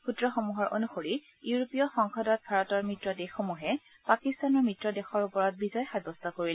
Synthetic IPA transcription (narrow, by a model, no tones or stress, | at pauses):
xutɹɔxomuɦɔɹʔo̰nuxoɹi | juɹopijɔxɔŋxɔdɔt̚bʱaɹɔtɔɹmɹitɹɔdexomuɦɛ | pakistanɔɹmɹitɹɔdɛxɔɹupɔɹɔt̚bizɔjxabɔstʰɔkoɹil